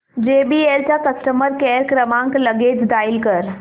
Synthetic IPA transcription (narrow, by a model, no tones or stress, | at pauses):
d͡ʒeːbieːɾt͡ʃakɐsʈəməɾkɛːɾkɾəmãːŋklɐɡeːd͡ʒd̪aːɪlkɐɾ